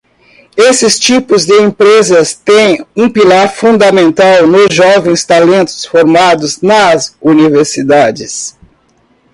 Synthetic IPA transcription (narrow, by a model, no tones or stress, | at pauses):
esɪst͡ʃipʊzd̪ɪẽmpɾezɐst̪ẽj̃ũpilaɾfũnd̪ɐmẽnt̪awnʊzʒɔvẽj̃st̪alẽnt̪ʊ̥sfoɾmad̪ʊznɐzuniveɾsid̪ad͡ʒɪs